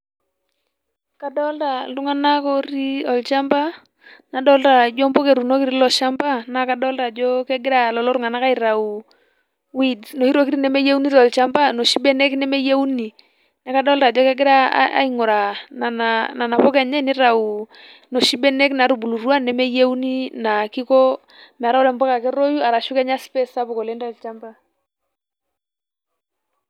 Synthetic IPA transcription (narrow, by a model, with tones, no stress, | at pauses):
ka˨dɔ˦lta˨tu˦ŋa˦na˦kɔ˦ɾi˦ɔ˨lt͡ʃa˦mba˦ | na˨dɔ˦lta˨d͡ʒɔ˦mbɔ˦ke˨ɾu˨no˦ki˦ɾi˦lɔ˨ʃa˦mba˦na˨˦ka˨dɔ˦lta˨d͡ʒɔ˦kɛ˦ɡɪ˦ɾa˨lɔ˨lɔ˦ɾu˦ŋa˨na˦ka˦i˨ɾa˨u˨ | wi˦dno˨hi˦ɾo˦ki˦ɾi˦nɛ˦me˦je˦u˦ni˦ɾɔ˨lt͡ʃa˦mba˦no˨ʃi˦be˦nɛ˦knɛ˦me˦je˦u˦ni˨ | na˨ka˦dɔ˦lɾa˨d͡ʒɔ˦kɛ˦ɡɪ˦ɾa̰˦a̰˦i˦ŋʊ˨ɾa˨na˨na˨na˨na˨pɔ˦kɛ˨ɲɛ˦ni˦ɾa˨u˨ | no˨ʃi˦be˦ne˦kna˨ɾu˨bu˨lu˨ru˦a˦nːɛ˦me˦je˦u˦ni˦na˨ki˦ko˦ | m˨ɾa˦wɾɛ˨mbɔ˦ka˨kɛ˦ɾo˦ju˦a˨ɾa˨ʃu˦kɛ˦ɲa˦spe˦sa˦pɔ˨ko˨le˦ntɔ˨lt͡ʃa˦mba˦